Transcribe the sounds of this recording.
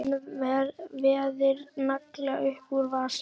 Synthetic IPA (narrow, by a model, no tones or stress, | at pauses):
vɛɾvɛːðɪɾnaklɛɣa̰ʔʏhpuɾvas